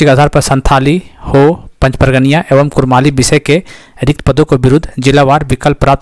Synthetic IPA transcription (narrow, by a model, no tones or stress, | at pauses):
ikəd̪ʱaːɾpɐsə̃nt̪ʰaːlihopɐ̃ɲt͡ʃpəɾɡənijaʔeːʋəmkʊɾmaːlibɪsəke | ɾɪkt̪pəd̪õkobɪɾʊd̪ʱːd͡ʒɪlaʋaːɾbɪkəlpːɾaːp̚t̪